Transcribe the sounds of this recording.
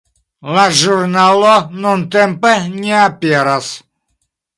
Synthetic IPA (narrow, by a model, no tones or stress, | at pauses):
lˠaʒurnalˠɔnɔnt̪ɛmpɛnʲeapʲeɾas